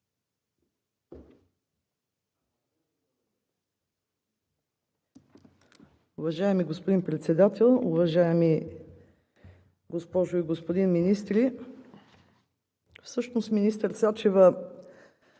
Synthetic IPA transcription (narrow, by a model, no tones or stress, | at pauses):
ʊvɐʒaɛmiɡospod̪inpɾɛt̪sɛd̪at̪ɛlˠuvɐʒaɛmi | ɡospɔʒoiɡospod̪inminist̪ɾi | fsɤʃnosminist̪əɾsat͡ʃɛvə